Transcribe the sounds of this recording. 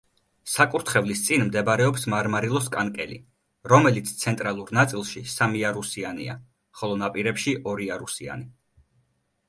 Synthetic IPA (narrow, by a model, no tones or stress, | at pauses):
sakʼuɾt̪ʰχɛvlist̪sʼinmd̪ɛbaɾɛɔpsmaɾmaɾilˠɔskʼankʼɛlḭ | ɾɔmɛlit̪sʰt̪sʰɛnt̪ʼɾalˠuɾnat̪sʼilˠʃisamiaɾusianḭa̰ | χɔlˠɔnapʼiɾɛpʃiʔɔɾiaɾusia̰ni